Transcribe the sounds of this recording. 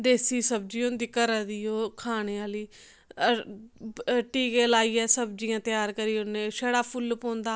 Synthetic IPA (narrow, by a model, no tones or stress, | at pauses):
ɖeːsiːsəb̚d͡ʒiːõnd̪iːkəɾəd̪iːoːkʰaːɽ̃eːaːliː | ʈiːkeːlaːiːɛːsəbd͡ʒijãːt̪ɪjaːɾkəɾiːoːneːʃəɽaːpʰʊlpõːnd̪aː